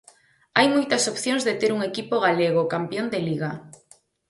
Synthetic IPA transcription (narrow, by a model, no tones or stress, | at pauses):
ajmojt̪asopθjõŋzðet̪eɾuŋekipoɣ̞aleɣ̞okampjond̪eliɣa